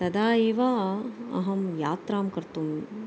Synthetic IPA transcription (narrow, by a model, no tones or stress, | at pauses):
t̪ɐd̪aːeːʋaːɐ̰ɦɐmjaːt̪ɾaːmkɐɾt̪um